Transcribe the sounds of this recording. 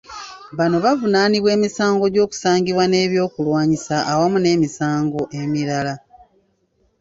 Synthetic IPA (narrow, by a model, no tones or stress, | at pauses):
βano̞βavunaːniβwe̞ːmisaːŋɡo̞ɟo̞ːku̥saːŋɡiβwane̞ːβjo̞ːkulwaːɲisaʔːwamune̞ːmisaːŋɡo̞ʔemiɾala